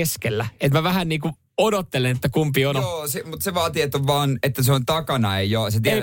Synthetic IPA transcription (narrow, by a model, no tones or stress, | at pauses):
eskelːæet̪mæʋæhænniːku | odot̪ːelenet̪ːækumpionooːsemut̪seʋɑːt̪iet̪ːoʋɑːnet̪ːæseont̪ɑkɑnɑeijoset̪i